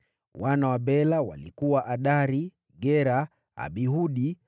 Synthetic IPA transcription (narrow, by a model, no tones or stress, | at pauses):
wanawabɛlawa̰lḭkuwaʔaɗaɾi | ɡɛɾa | a̰ɓiɦuɗi